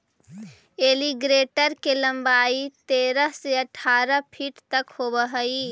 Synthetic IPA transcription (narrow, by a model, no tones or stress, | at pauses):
eːliɡɾeːʈəɾkelə̃mbaːit̪eːɾəɦseəʈʰːaːɾəpʰiːʈt̪ɐkhoːbəɦəi